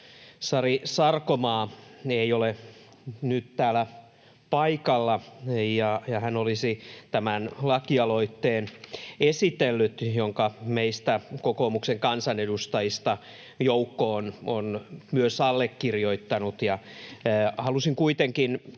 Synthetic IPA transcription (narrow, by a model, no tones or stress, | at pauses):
sɑrisɑrkomɑːeiole | nyt̪t̪æːlæ | pɑikɑlːɑjɑjɑhænolisit̪æmænlɑkiɑloit̪ːeːnesit̪elːyt̪joŋkɑmeist̪ækokoːmukseŋkɑnsɑnedust̪ɑjist̪ɑ | joukːoːnonmyøsɑlːekːirjoit̪ːɑnut̪jɑː | hɑlusiŋkuit̪eŋkin